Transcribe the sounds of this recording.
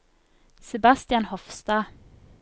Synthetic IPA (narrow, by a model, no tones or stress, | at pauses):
sɛbast̪ɪɑnhɔfst̪ɑː